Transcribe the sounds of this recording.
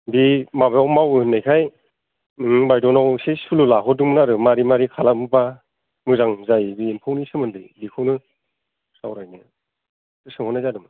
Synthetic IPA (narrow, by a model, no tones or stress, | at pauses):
bimabajawmawɯhɯnːajkʰaj | bajdɔnawsisululaɦɔdɯŋmɯnaɾɯmaɾimaɾikʰalakmɯpa | mɯzaŋzajbiːnpʰawnisɯmɯndɯjbikʰɯwnɯ | sawɾajnɯ | tɯsɯŋhɔnajzadɯmɯ